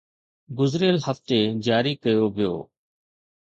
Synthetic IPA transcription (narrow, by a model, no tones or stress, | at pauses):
ɡʊzɾiəlhəft̪ed͡ʑaːɾiːkəjoːʋɪjo̰ː